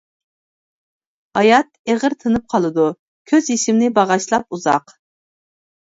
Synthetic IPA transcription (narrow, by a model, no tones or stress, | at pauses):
hɑjɑt̪̚eʁəɾt̪ʰɨnɨp̚qʰɑlˠɨd̪u | kʲʰøziʃɪmnɪbɑʁɑʃlˠɑp̚uzɑ̰q